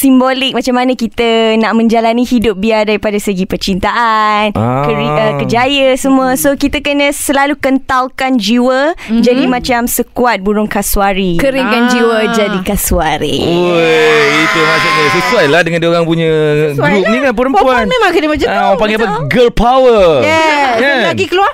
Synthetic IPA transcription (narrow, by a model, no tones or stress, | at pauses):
simbolɪk̚mat͡ʃamːanãkit̪ənaʔmə̃ɲd͡ʒalanihidʊp̚biadaɾipadasəɡipət͡ʃint̪aʔankəɾiəkəd͡ʒajəsəmũəsokit̪əkənə̃səlalukənt̪awkand͡ʒiwəd͡ʒadimãt͡ʃamsəkuat̪̚buɾʊŋkasuaɾikəɾiŋkand͡ʒiwəd͡ʒadikasuaɾḭo | it̪umasuʔ̚ɲəsəsuajlahdəŋandioɾaŋpuɲə̃ɡɾup̚niŋanp̬uɾəmpuanmẽmãŋkədəmat͡ʃaaŋpaŋɡɪapə | ɡəlpawəjɛalaɡikəluar